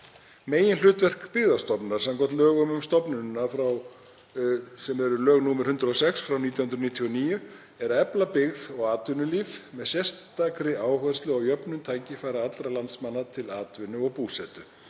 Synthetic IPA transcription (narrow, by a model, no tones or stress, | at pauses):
meːjɪnl̥ʏːt̪vɛr̥kpɪɣðast̪ɔpnaɾ̥sɛmkɔt̪lœːɣʏmʏmst̪ɔpnʏnːafɾaw | sɛmɛɾʏlœːɣnuːmɛɾ̥hʏnt̪ɾaɔsɛksfɾawniːt̪jahʏnɾniːt̪ʰiɔniːjʏ | ɛɾɛplapɪɣðɔɣaːt̪vʏnʏliːvmɛðsjɛr̥st̪ːakɾɪaːwhœðst̪lʏawjœpnʏmt̪ʰaːjcɪfajɾaat̪lɾalant̪smanːat̪ʰɪlaːt̪vɪnʏɔɣpuːsɛt̪ʏ